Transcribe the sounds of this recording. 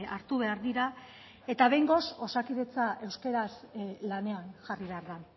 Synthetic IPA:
aɾt̪uβe̞aɾðiɾa | e̞t̪aβe̞jŋɡo̞so̞sakiðet͡saʔe̞wske̞ɾaslane̞aŋʝariβe̞aɾðan

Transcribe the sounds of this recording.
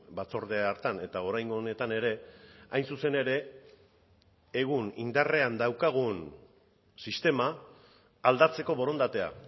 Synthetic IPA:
bat͡so̞ɾðe̞aɾt̪ane̞t̪ao̞ɾajŋɡo̞ne̞t̪ane̞ɾe̞ajnsuse̞ne̞ɾe̞ | ɣ̞unḭnd̪are̞and̪awkaɣ̞un | sist̪e̞maː | ld̪at͡se̞ko̞βo̞ɾo̞nd̪at̪e̞a̰

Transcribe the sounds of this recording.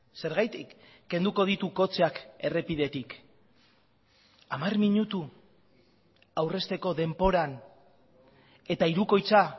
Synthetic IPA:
se̞ɾɣajt̪i | ɡe̞nd̪uko̞ð̞it̪uko̞t͡seake̞re̞pið̞e̞t̪ik | amarmiɲut̪u | awre̞st̪e̞ko̞ðe̞mpo̞ɾan | e̞t̪aiɾuko̞jt͡sa

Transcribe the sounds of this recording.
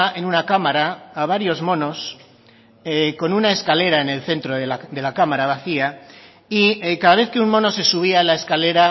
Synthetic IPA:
e̞nunakamaɾaːβ̞aɾjo̞zmo̞no̞s | eko̞nunae̞skale̞ɾaene̞lθe̞nt̪ɾoðead̪e̞lakamaɾaβaθia | iekaðaβe̞θke̞unmõ̞no̞se̞suβ̞ialae̞skale̞ɾa

